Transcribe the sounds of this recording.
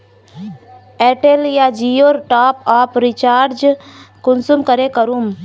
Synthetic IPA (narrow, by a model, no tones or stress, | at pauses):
eʈeljad͡ʒioːɾʈaːpaːpɾɪt͡ʃaːɾɾd͡ʒkʊnsumkəɾekəɾum